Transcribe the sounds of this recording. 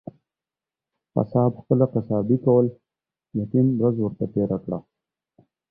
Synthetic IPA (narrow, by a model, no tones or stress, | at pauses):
fa̰sɑːbxpəlaqasɑbikawəl | jat̪inɾazwəɾt̪at̪eɾakɽa